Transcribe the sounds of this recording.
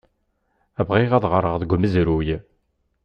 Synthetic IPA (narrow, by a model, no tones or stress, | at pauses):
ævʁiʁæðʁəɾˤəʁðəɡʷməzɾuj